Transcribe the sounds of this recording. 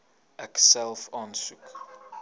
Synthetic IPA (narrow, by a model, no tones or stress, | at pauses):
ʔɛksɛlˠfɑːnsuk